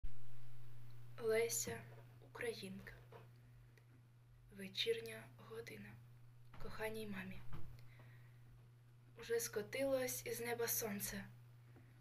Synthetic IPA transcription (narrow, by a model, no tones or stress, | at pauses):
lˠɛsʲɐ | ukɾɐjinkɐ̥ | ʋet͡ʃirnʲɐɦɔd̪ɪnɐ | kɔxɑnʲːijmɑmʲi | uʒɛskɔt̪ɪlˠɔsʲiznɛbɐsɔnt̪sɛ